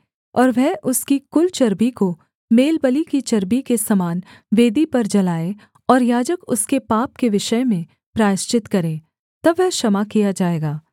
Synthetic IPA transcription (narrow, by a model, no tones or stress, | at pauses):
ɔːɾʋɛɦʔʊskikʊlt͡ʃɐɾbiko | meːlbəlikit͡ʃɐɾbikesɐmaːnʋeːd̪ipɐɾd͡ʒɐlaːe | ɔːɾjaːd͡ʒəkʊskepaːp̚keʋɪʃəjmẽ | pɾaːɪʃt͡ʃɪt̪kɐɾẽː | t̪ɐbːɛɦʃɐmakijad͡ʒaːeːɡaː